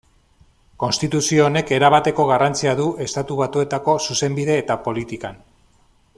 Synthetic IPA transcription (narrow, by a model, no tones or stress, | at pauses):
ko̞nst̪it̪usio̞ːne̞ke̞ɾaβ̞at̪e̞ko̞ɣ̞arant͡siaðuʔe̞st̪at̪uβat̪ue̞t̪ako̞suse̞mbiðe̞ːt̪apo̞lit̪ikan